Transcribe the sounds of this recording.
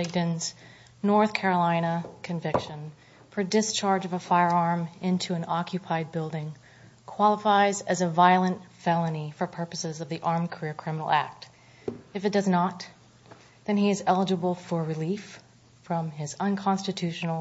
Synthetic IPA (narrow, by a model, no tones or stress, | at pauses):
ɪɡ̚dɨ̃nz̥ | nɔɹθkʰɛɹəlãɪ̃ñəkʰɨ̃ɱvɪkʃɨ̃n | pʰɹədɨst͡ʃʰɑɹd͡ʒʌvəfaɪə˞ɑɹmɪ̃ntʰʉɨ̃nɑkʰjɨpʰaɪd̚bɪlˠdɪ̃ŋ | kʰw̥ɑlˠəfaɪzɨzɨvaɪlˠə̃ntfɛlˠənifə˞pʰɜ˞pəsɨzʌvðiʔɑɹmkʰə˞ɪɹkʰɹ̥ɪ̃mnl̩ˠæ̰k̚t | ɨfɨt̚d̥ʌznət̪ | ðɨ̃niɨzɛlˠəd͡ʒəbl̩ˠfə˞ɹɨlif | ɹʌ̃mɪzə̃nkʰɑ̃nstɨtʰʉʃn̩l̩ˠ